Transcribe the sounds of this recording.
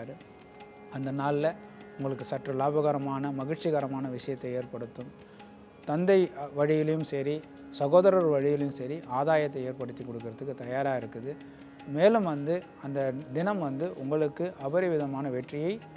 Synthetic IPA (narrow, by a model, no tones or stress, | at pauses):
ɾɯ | ɐnd̪ɐnaːlɪlɐʊŋɡɐɭɯk̬ːɯsɐʈrɐlaːbɐɣɐɾɐmaːnɐmɐɣɪʈt͡ʃɪɣɐɾɐmaːnɐʋɪʂɐjɐt̪ːɐɪeːɾpɐɽɯt̪ːɯm | t̪ɐnd̪ɐɪʋɐɻɪjɪljɯmsɛɾi | sɐɣoːðɐɾɐɾʋɐɻɪjɪljɯmsɐɾiʔaːðaːjɐt̪̬ːɐɪeːɾpɐɽɯt̪ːikːɔɽɯk̬ːɪɾɐðɯkːɯt̪ɐjaːɾaːɪɾɯkːɯðɯ | meːlɯmʋɐnd̪ɯ | ɐnd̪ɐd̪ɪnɐmʋɐnd̪ɯʔʊŋɡɐɭɯkːɯʔɐbɐɾɪʋɪðɐmaːnɐʋɛʈrɪjɐɪ